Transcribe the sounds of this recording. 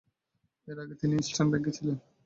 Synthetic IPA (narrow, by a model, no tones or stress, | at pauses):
eɾaɡet̪iniisʈʰanbeɡet͡ɕʰilen